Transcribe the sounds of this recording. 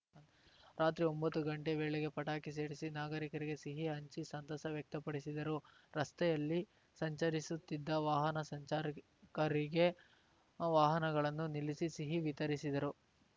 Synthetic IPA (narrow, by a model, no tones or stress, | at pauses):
ɾaːt̪ɾiombɐt̪ːuɡɐɳʈeʋeːɭeɡe̞pɐʈaːkise̞ːɽisinaːɡɐɾikɐɾiɡe̞siɦiɦɐɲt͡ʃisɐnt̪ɐsɐʋjɐk̚t̪ɐpɐɽisid̪ɐɾu | ɾɐst̪ɛjɐlːi | sɐɲt͡ʃɐɾisut̪ːid̪ːɐʋaːɦɐnɐsɐɲt͡ʃaːɾ | kɐɾiɡe̞ | ʋaːɦɐnɐɡɐɭɐnːunilisisiɦiʋit̪ɐɾisid̪ɐɾu